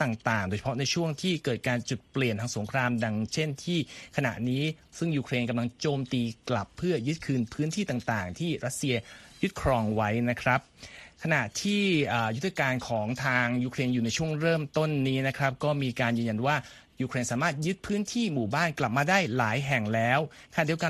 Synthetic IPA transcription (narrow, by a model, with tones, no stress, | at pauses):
t̪aː˨˩ŋt̪aː˨˩ŋdoː˧jt͡ɕʰḁ˧pʰɔ˥na˧jt͡ɕʰu˥˩əŋt̪ʰiː˥˩kɤː˨˩t̪̚kaː˧nt͡ɕu˨˩t̪̚pli˨˩ənt̪ʰaː˧ŋso˩˦ŋkʰɾaː˧mda˧ŋt͡ɕʰe˥˩nt̪ʰiː˥˩kʰa˧na̰˨˩ʔniː˦˥ | sɯ˥˩ŋjuː˧kʰɾeː˧nka˧mla˧ŋt͡ɕoː˧mt̪iː˧kla˨˩pʰːɯ˥˩ɐjɯ˦˥t̪̚kʰɯː˧npʰɯː˦˥nt̪ʰiː˥˩t̪a˨˩ŋt̪aː˨˩ŋt̪ʰiː˥˩ɾʔa˦˥t̪̚si˧ɐju˦˥t̪̚kʰɾɔː˧ŋwa˦˥jna˦˥kʰɾa˦˥p̚kʰa˧na˨˩ʔt̪ʰiː˥˩ʔəː˨˩ju˦˥t̪ʰːa˧kaː˧nkʰɔː˩˦ŋt̪ʰaː˧ŋjuː˧kʰɾeː˧njuː˨˩na˧jt͡ɕʰu˥˩əŋɾɤː˥˩mt̪o˥˩nːiː˦˥na˦˥kʰɾa˦˥p̚kɔː˥˩miː˧kaː˧njɯː˧nja˧nwaː˥˩ | juː˧kʰɾeː˧nsaː˩˦maː˥˩t̪̚jɯ˦˥t̪̚pʰɯː˦˥nt̪ʰiː˥˩muː˨˩baː˥˩nkla˨˩p̚maː˧daː˥˩jlaː˩˦jɦɛ˨˩ŋlɛː˦˥wʰa˧na˨˩di˧ə˧ka˧